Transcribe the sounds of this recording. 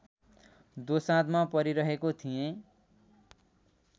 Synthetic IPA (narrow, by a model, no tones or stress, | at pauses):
d̪osãt̪mapʌɾiɾʌɦekot̪ʰijẽ